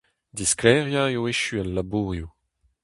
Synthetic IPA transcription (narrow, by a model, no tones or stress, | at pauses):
disklɛːʁjaeoeʃyalːabuːʁju